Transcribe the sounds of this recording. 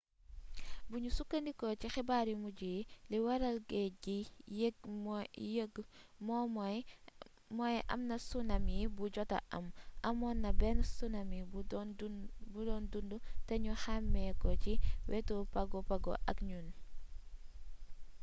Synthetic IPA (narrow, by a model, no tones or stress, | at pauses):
buɲusukːɐndikɔcixɛbaɾimuɟiliwɐɾɐlɡɛɟiɡmjəɡmɔm | mɔjʔɐ̰mnɐsunɐmibuɟɔta̰ʔɐ̰mʔɐmɔnːɐbɛnsunɐmi | budɔndundutɐɲuxamːɛkɔciwʔɛtupɐɡɔpɐɡɔ̰ʔɐ̰kɲun